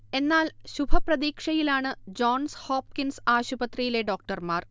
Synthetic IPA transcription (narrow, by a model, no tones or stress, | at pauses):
e̞nːaːlɕubʱɐprɐd̪iːkʂɐjilaːɳɨd͡ʑo̞ːnsho̞ːp̚kinsaːɕubɐt̪rijile̞ɖo̞ːk̚ʈɐrmaːr